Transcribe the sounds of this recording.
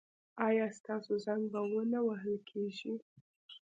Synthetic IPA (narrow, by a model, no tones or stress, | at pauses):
ɑjɑst̪ɑsozaŋɡ̚bawənawaɦəlkʰeʒi